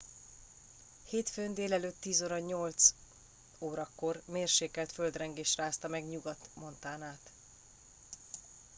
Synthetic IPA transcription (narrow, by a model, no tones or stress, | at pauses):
heːt̪føːnd̪eːlɛløːt̪ːiːzoːɾɒɲo̞lt̪s | oːɾɒkːo̞rmeːrʃeːkɛlt̪føld̪rɛŋɡeːʃraːst̪ɒmɛɡɲuɡɒt̪mo̞nt̪aːnaːt̪